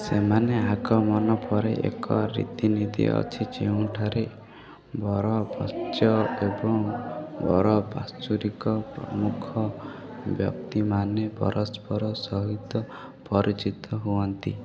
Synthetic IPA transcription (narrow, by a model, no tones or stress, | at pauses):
semaneakɾɔmɔnɔpʰɔɾeʔḛkɔ̰ɾḭt̪inid̪ḭɔ̰t͡ʃʰid͡ʒeũʈʰaɾe | bɔɾɔbɔt͡ʃjɔebɔŋbɔ̰ɾɔba̰st͡ʃuɾikɔpɾɔ̰mukʰɔbjɔ̰p̚t̪imanepɔ̰ɾʔɔspɔɾɔsɔɦit̪ɔ | pɔɾit͡ʃit̪ɔɦuɔnt̪i